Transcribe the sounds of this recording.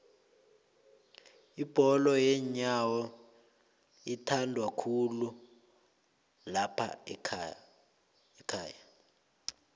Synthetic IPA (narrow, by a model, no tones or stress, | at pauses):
ib̥ʱɔlɔjɛɲawɔ | itʰandʱwakʰulu | lapʰa̰ | ɛkʰaːja